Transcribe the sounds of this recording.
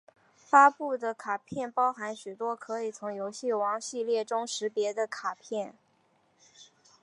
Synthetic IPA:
fa˥pu˥˩d̪ə˩kʰa˨˩pʰjɛ˥˩npɑ˥ʊxa˧˥nɕy˨˩t̪wɔ˥kʰɤ˧˥i˨˩t͡sʰʊ˧˥ŋjo˧˥ʊɕi˥˩wɑ˧˥ŋɕi˥˧ljɛ˥˩ʈ͡ʂʊ˥ŋʂɻ̩˧˥pjɛ˧˥d̪ə˧kʰa˨˩pʰjɛ˥˩n

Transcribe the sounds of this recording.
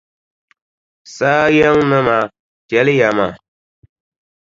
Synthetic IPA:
saː˦jɛ˦ŋnɨ˦ma˨ | tjɛ˨˦lɨ˦ja˨ma˨

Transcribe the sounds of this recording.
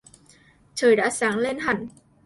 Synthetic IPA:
t͡ɕəː˨˩jɗa̰ː˧˥saː˨˦ŋle˧nɦa˨˩ŋ̟

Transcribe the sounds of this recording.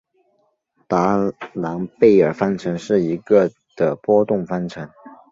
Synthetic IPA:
t̪a˧˥la˧˥npe˥˩ɪə˞˨˩fa˥nʈ͡ʂʰɤ˧˥ŋʂɻ̩˥˩i˧˥ɡə˧ | d̪̥ə˩pwɔ˥t̪ʊ˥˩ŋfa˥nʈ͡ʂʰɤ˧˥ŋ

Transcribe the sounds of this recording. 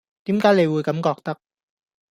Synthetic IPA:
t̪i˧˦mkaː˧˥le˧˩wuː˧˩ka˨˦mkɔː˨˩k̚t̪a˦˥k̚

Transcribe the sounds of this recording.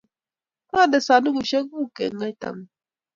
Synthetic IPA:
m˦a˦˨dɛ˨sa˨nu˦ɡu˨ʃɛ˦ɡu˦˨kɛ̰˨ŋa˦jta̰˨ŋ˨

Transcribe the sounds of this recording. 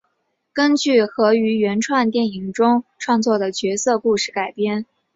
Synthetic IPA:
kə˥nt͡ɕy˥˩xɤ˧˥y˧˥ɥɛ˧˥nʈ͡ʂʰwa˥˧nt̪jɛ˥˩ni˨˩ŋʈ͡ʂʊ˥ŋʈ͡ʂʰwɑ˥˧ŋt͡swɔ˥˩d̪ə˩t͡ɕɥɛ˧˥sɤ˥˧ku˥˧ʂɻ̩˥˩ka˨˩ɪpjɛ˥˩n

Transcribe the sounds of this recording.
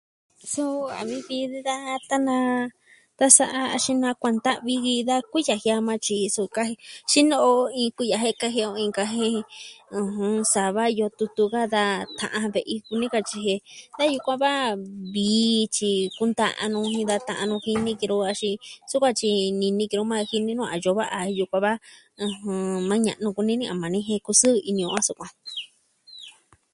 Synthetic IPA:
so˦˧a̰˨βi˧βi˧˦ða˦t̪a˦nã˧ | t̪a˦sa˧ʔa˧a˧ʃĩ˧nã˧kʷa˧nd̪a˦ʔβi˧ɣi˧ða˦kʷi˦ja˨hja˧mã˧t͡ʃi˧so˧ka˧he˧ʃi˦nõ˧ʔo˧ĩ˧kʷi˧ja˧˨ɦe˦ka˦ɦi˧o˧ĩ˧ka˧ɦe˦˧ũ˧ɦũ˧sa˨βa˦˧jo˧t̪u˧t̪u˧ka˦d̪a˧t̪ã̰˧ʔã˧βe˧ʔi˧ku˧nĩ˦ka˧t͡ʃi˧ɦe˧d̪a˦ju˧kʷã˧βa˦βiː˨˧˦t͡ʃi˧ku˧nd̪a̰˧ʔã̰˧nũ˧ĩ˧d̪a˧t̪ã˧ʔã˧nũ˧hi˧nĩ˦ki˧ɾo˧˦a˧ʃi˧su˦kʷã˧t͡ʃi˧nĩ˧nĩ˧ki˧ɾo˧˦mã˦˧hi˧nĩ˦nũ˦˧a̰˨ʒo˧βa˦ʔa˧ju˧kʷã˧βa˦ | ɨ̃˧hũ˧mã˧˦ɲã̰˧ʔnũ˧ku˧nĩ˦nĩ˦˧ʔã˨mã˨nĩ˦ɦẽ˧ku˧sɨ˦˧i˧nĩ˧õ˧ã˦su˧kʷã˧

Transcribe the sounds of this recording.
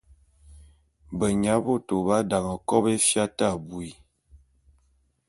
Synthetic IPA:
bə˨ɲa˨˦bo˦˨to˨ba˦da˨ŋə˨kɔ˦be˦fja˦ta˦˨bu˨i˨

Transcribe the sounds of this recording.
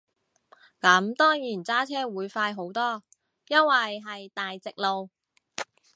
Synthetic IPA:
kɐ˨˥mt̪ɔː˥ŋjiː˨˩nt͡saː˥t͡sʰɛː˥wuː˨˧jfaː˧jɦo˨˥wt̪ɔː˥ | jɐ˥nwɐ˨jɦɐ˨jt̪aː˨jt͡sɪ˨k̚lo˨w

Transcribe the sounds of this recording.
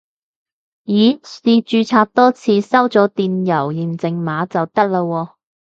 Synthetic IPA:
jiː˨˥iː˧t͡ʃyː˧t͡sʰaː˧p̚t̪ɔː˥t͡sʰiː˨˧sɐ˥wt͡sɔː˨˥t̪iː˨njɐ˨˩wjiː˨˩nt͡sɪ˨ŋmaː˨˥t͡sɐ˨wt̪ɐ˥k̚laː˧wɔː˧

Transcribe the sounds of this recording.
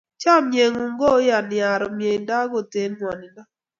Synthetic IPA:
t͡ʃa˦˨mje˨ŋu˨ŋɡo˦ja˨nja˨ɾɔ˨mje˨nda˦ɡo˨te˨˦n˦ŋwa˨nɪ˨nda˦

